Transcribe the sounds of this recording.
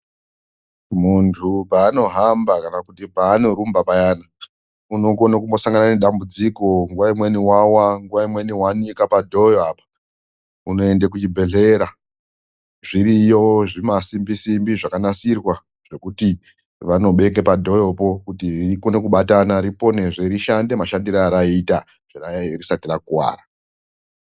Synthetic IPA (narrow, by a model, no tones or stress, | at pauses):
muntʰupaːno̞ɦambakanakutipaːno̞ɾumbapajana | uno̞konakumbo̞saŋɡanane̞ɗambud͡ziko̞ŋɡuʋaimwe̞niwawaŋɡuʋaimwe̞niwanikapadʱo̞joapḁ | uno̞e̞ndek̬ut͡ʃibʱe̞ɮe̞ɾa | ʐiɾijo̞ʐimasimbisimbiʐakanasirwa | ʐ̥e̞kuti | ʋano̞ɓe̞k̬e̞padʱo̞jo̞po̞kutirikonekuɓatanaɾipo̞ne̞ʐeɾiʃandemaʃandiɾaɾaita | ʐ̥erarisatirakuwa̰ːra